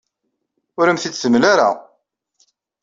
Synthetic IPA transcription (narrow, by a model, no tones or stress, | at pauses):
ʊɾəmθit͡sːsəmːlaɾa̰